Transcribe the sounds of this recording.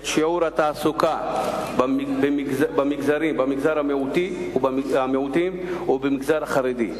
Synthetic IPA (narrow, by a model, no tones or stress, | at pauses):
ʃiʕuɾat̪aːsukabbeɡzbamiɡzaɾimbamiɡzaɾameut̪iubameut̪imubemiɡzaɾaχaɾed̪i